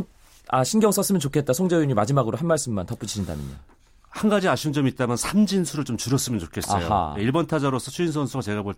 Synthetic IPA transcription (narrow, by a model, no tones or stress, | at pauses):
a̰ɕʰinɡjʌŋs͈ʌs͈ɯmjʌnt͡ɕokʰe̞t̚t͈asʰoŋd͡ʑeiɲimad͡ʑimaɡɯɾoɦanmaɭs͈ɯmːantʌp͈ut͡ɕʰiɕʰinda̰mḭɲa̰ | hanɡad͡ʑiaɕʰind͡ʑʌmit̚t͈amjansʰamd͡ʑinsʰuɾɯɭt͡ɕomt͡ɕuɾʌs͈ɯmjʌnt͡ɕokʰe̞s͈a̰ʌjo̰a̰eiɭbʌntʰad͡ʑaɾos͈ʰʌt͡ɕʰuinsʰʌnsʰuɡat͡ɕe̞ɡaboɭ